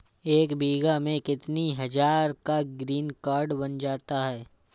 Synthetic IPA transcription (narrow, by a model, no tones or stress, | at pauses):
eːkbiːɡamẽkɪt̪niɦɐd͡ʒaːɾkaɡɾiːnkaːɾɖbɐnd͡ʒaːt̪aɦɛː